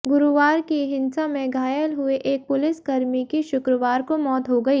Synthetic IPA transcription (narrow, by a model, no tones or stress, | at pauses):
ɡʊɾuʋaːɾkiɦɪ̃nsamẽɡʱaːjəlɦʊeʔeːk̚pʊlɪskɐɾmikiʃʊkɾəʋaːɾkomɔːt̪ɦoɡɐiː